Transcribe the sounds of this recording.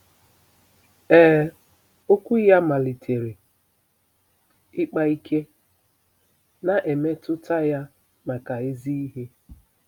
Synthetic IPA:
ɛː˦˨ | o˦kʷu˦ja˦ma˨li˨tʰe˨ɾe˨ | ɪ˦k͡pa˦i˦kʰe˦ | na˨ʔe˨me˦tʊ˦ta˦ja˦ | ma˨ka˨e˦zi˦i˦ɦe˦

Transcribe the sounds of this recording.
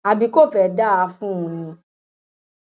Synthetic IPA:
a˨bi˧ko˦˨fɛ˨da˦˨a˧fũ˦ũ˧˨nĩ˧

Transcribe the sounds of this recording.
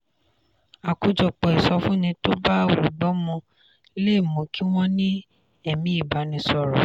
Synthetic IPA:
a˨ku˨˦d͡ʒɔ˧k͡pɔ˨i˨sɔ˧fũ˦nĩ˧to˦ba˦˨wu˨ɡ͡bɔ˨˦mɔ̃˧˦ | le˦˨mɔ̃˨˦ki˦w̃ɔ̃˦nĩ˦ | ɛ˦˨mĩ˨˦i˦˨ba˨˦nĩ˧sɔ˧ɾɔ˨

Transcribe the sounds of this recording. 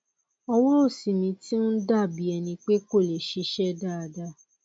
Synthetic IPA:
ɔ˧wɔ˦ɾo˦˨si˨mĩ˧ti˦o˦n̩˦da˦˨bi˨ɛ˧nĩ˧k͡pe˦ko˦˨le˨ʃe˨˧ʃɛ˦da˦a˧da˦˨

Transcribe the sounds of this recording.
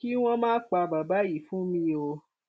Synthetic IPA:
ki˦w̃ɔ̃˦mãː˦k͡pa˧ba˨ba˦ji˦˨fũ˦mĩ˧˦o˧

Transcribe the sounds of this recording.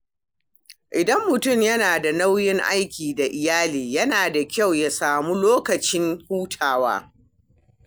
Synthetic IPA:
ʔɪ˨dɐ˦mːʊ˨tʊ˦˨mjɐ˦naː˨da˨na˦wjɪ˦ŋʔa̰˦jkʲiː˨da˨ʔɪ˨jaː˦liː˨jɐ˦naː˨da˨kʲa˦˨wja˨saː˨mu˦loː˦kɐ˨t͡ʃɪ˦ŋhuː˦tʰaː˨wa̰ː˦

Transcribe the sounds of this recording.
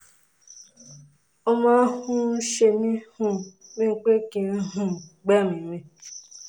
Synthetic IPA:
o˧mɔ̃˨˦hũ˦ʃe˧mĩ˦hũ˧mĩ˦k͡pe˦kĩ˧˦ɦũ˦˨ɡ͡bɛ˦˨mĩ˨mĩ˧

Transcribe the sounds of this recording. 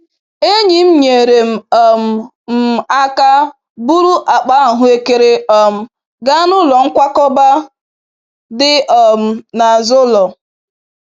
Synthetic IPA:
e˦ɲi˨m̩˦ɲe˨ɾe˨m̩˨ɔ˨m̩˨ | m̩˨˦˨a˦ka˦ | bu˦ɾu˦ʔa˨k͡pa˦˨ɦʊ˦e˦ke˦ɾe˦ɔ˨m̩˨ | ɡa˦nʊ˦lɔ˨ŋ̩˦kʷa˦kɔ˦ba˦ | dɪ˦ʔɔ˨m̩˨na˨zʊ˦lɔ˨

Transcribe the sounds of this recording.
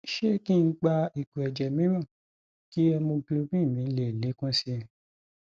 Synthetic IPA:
ʃe˦ki˦n̩˦ɡ͡ba˧i˨ɡu˨ɛ˨d͡ʒɛ˨mĩ˦ɾã˦˨ | ki˦ɛ˧mõ˧ɡlo˧bĩ˦˨mĩ˨˦le˨le˨˦kã˦si˧˨

